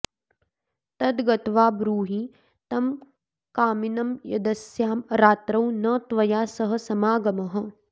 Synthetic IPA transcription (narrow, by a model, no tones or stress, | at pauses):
t̪ɐd̪ɡɐt̪ʋaːbɾuːɦi | t̪ɐm | kaːminɐmjɐd̪ɐsjaːmɾaːt̪ɾɐwnɐt̪ʋɐjaːsɐɦɐ̆sɐmaːɡɐmɐɦɐ̆